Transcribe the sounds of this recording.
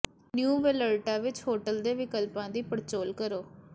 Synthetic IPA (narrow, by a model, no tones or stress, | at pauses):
njuːʋeləlʈãːʋɪt͡ʃhoːʈəld̪eːʋɪkəlpãːd̪iːpəɾt͡ʃoːlkəɾoː